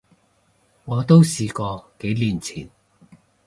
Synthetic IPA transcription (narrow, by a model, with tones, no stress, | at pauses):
ŋɔː˨˧t̪o˥wsiː˨kɔː˧ke˨˥jliː˨˩nt͡sʰiː˨˩n